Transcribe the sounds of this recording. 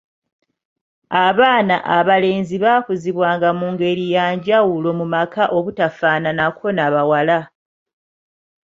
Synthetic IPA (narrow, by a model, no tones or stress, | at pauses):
aβaːnaʔaβale̞ːnziβaːkuziβwaːŋɡamuːŋɡe̞ɾijaːɲɟawulo̞mumakaʔo̞βutafaːnanakʰo̞naβawala